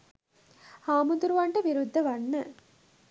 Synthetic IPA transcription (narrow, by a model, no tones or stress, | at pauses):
haːmud̪uɾuʋaɳʈəʋiɾud̪ʱːɐʋanːə